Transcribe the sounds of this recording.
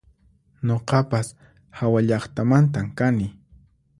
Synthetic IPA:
ɲoqɑpas | hawaʎɑχt̪amant̪amkanɪ

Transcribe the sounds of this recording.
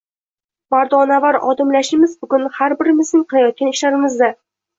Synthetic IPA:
baɾd̪ɒnavaɾɒ̰d̪ɪmlaʃɪmɪzbʊɡʲʊnhaɾbɪɾɪmɪznɪŋqʰɨlˠajɒt̪̚kʲanɪʃlaɾɪmɪzd̪a

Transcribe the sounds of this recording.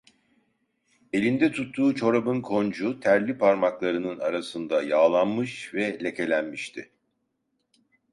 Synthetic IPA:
e̞lʲind̪ɛt̪ʰut̪ʰːuːt͡ʃʰo̞ɾabɯnkʰo̞nd͡ʒut̪ʰæɾlʲipʰaɾmaklˠaɾɯnɯnaɾasɯnd̪ajaːlˠanmɯʃvɛlʲe̞cʰe̞lʲænmiʃt̪ʰɪ

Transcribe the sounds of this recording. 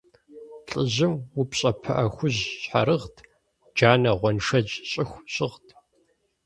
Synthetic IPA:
ɬʼɨʑɪmwupɕʼɐpʰɐ̰ʔɐxʷʊʑɕħa̰ɾɨʁtʰ | d͡ʒaːnɐʁʷɔnʂɐd͡ʒɕʼɪxʷɕʼɪʁtʰ

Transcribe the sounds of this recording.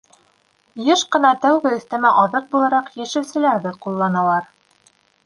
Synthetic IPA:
jɤʃqɤ̆nɑt̪æwɡɘɵ̆θt̪æ̆mæʔɑðɤq̚bulˠɑɾɑqjæʃɘ̆wsɘ̆læɾðɘqulˠːɑnɑlˠɑɾ

